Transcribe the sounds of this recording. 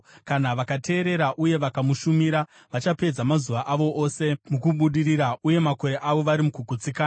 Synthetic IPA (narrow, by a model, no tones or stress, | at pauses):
kanaʋakate̞ːɾe̞ɾaʔuje̞ʋakamuʃumiɾa | ʋat͡ʃape̞d͡zamazuʋaʔaʋo̞ʔoːse̞mukuɓuɗiriɾaʔuje̞mako̞ɾe̞ʔaʋo̞ʋaɾimukuɡʱut͡sikaːna